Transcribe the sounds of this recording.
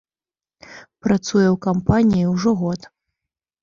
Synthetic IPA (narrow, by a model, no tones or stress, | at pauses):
pɾat̪sujɛwkampanʲijiwʐɔɣɔt̪